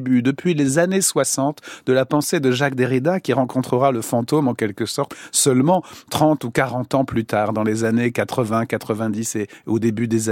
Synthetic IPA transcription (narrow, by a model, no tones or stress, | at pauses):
byd̪əpɥilezaneswasɑ̃t̪d̪əlapɑ̃sed̪əʒak̚d̪eʁid̪akʲiʁɑ̃kɔ̃t̪χəʁaləfɑ̃t̪omɑ̃kʲɛlkəsɔʁt̪sœlmɑ̃t̪χɑ̃t̪ukaʁɑ̃t̪ɑ̃plyt̪aʁd̪ɑ̃lezanekat̪χəvɛ̃kat̪χəvɛ̃d̪iseod̪ebyd̪eza